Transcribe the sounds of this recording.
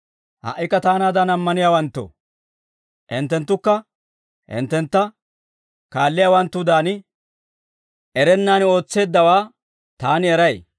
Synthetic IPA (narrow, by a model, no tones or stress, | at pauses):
hɐ̰ʔːɪkːɐt̪aːnaːd̪ɐnɐmːɐnɪjaːwɐnt̪ːo̰ | ʔɪ̰nt̪ːɛnt̪ːʊkːɐ | hɪ̰nt̪ːɛnt̪ːɐ | kaːlːɪjaːwɐnt̪ːʊd̪aːnɪ | ʔɛɾɛnːaːno̞ːt͡sːe̞ːd̪ːɐwaː | t̪aːnɪɛɾɐj